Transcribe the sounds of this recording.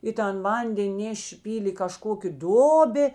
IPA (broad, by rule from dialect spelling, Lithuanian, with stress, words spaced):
ɪ ˈtɐn ˈʋɐnʲdʲɛnʲ ˈnʲæːʃʲeː ˈpʲiːlʲeː ɪ kɐˈʃkoːkʲeː ˈdoːbʲeː